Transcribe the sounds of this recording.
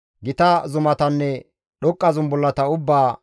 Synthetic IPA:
ɡɪt̪ɐzʊmɐt̪ɐnːɛ | ɗɔkʼːɐzʊnbɔlːɐt̪ɐʊbːaː

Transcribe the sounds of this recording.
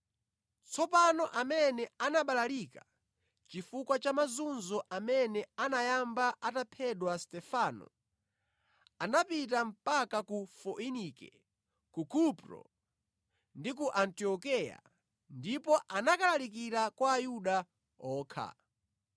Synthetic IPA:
t͡sʰɔpanɔʔamɛnɛanaɓalalika | t͡ʃifukwat͡ʃamazunzɔʔamɛnɛanajambaʔatapʰɛɗwastɛfanɔ̰ | anapit̬am̩pakakufɔʔinikɛ̰ | kukupɾɔ̰ | ndik̬uʔantiɔkɛja̰ | ndipɔʔanakalalik̬iɾakwaːjuɗa | ɔːkʰa̰

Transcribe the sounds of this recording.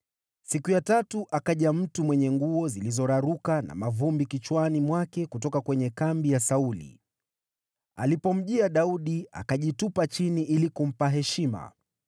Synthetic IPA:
sikujatatuʔakaʄam̩tumwɛɲɛŋɡuɔzilizɔɾaɾukana̰mavumbikit͡ʃwanimwakɛkutɔkakwɛɲɛkambijasaulḭ | a̰lipɔm̩ʄiaɗauɗia̰kaʄitupat͡ʃiniʔilikum̩paɦɛʃima̰

